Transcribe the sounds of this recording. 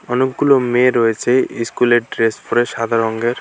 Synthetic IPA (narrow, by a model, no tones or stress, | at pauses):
ɔnekɡulomeɾɔet͡ɕʰeiskuleɖɾesfoɾeʃad̪ʱaɾɔŋɡeɾ